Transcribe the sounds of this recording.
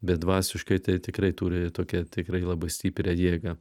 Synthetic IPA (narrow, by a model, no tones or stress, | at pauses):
bʲɛt̪̚d̪ʋɑːsʲɪʃkɐɪt̪ɐɪt̪ʲɪkrɐɪt̪uːɾʲɪt̪oːkʲɛt̪ʲɪkɾɐɪlˠɑːbɐɪsʲt̪ʲiːpʲɾʲɛjiːɡɐ